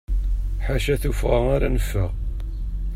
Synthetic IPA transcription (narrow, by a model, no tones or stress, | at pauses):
ħaʃæθufʁaaɾanəfːəʁ